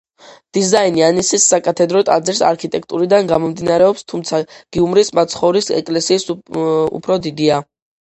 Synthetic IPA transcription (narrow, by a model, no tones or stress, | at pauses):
d̪̥izainianisisːakʼat̪ʰɛd̪ɾɔt̪ʼa̰d̪zɛɾsa̰ɾkʰit̪ʼɛkʰt̪ʼuɾid̪anɡamɔmd̪inaɾɛɔpst̪ʰumt̪sʰaɡ̥iumɾismat̪sʰχɔvɾisɛ̰kʼlɛsiːsṵpʰɾɔd̪id̪ia